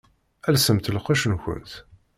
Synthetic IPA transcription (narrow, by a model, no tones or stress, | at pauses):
ælsəmt̪əlqiʃənçʊ̰nt̪